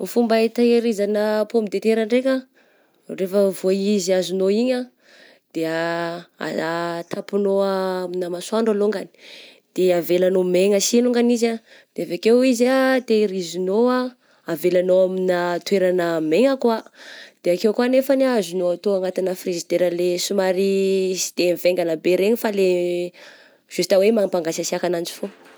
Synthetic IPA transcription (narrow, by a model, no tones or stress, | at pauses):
fumbait̪aiɾizanəpomid̪et̪eɾaɳɖ͡ʐeka | refəvoiziazunoiɲa | d̪̥eaa̰t̪ʰapinoaaminəmasuaɳɖ͡ʐaloŋɡani̥ | d̪̥eavelanomeŋəsinuŋɡaniza | d̪̥eavekewizat̪eɾizinoa | avelanoaminat̪weɾanəmeŋakuad̪̥eakewkuanefanazunoat̪oaŋat̪inəfrizid̪eɾəlesumaɾisi̥d̪̥emveŋɡanabeɾeɲifale | ʒ̥ust̪awemaŋpaŋɡasasiakanand͡ʒi̥fo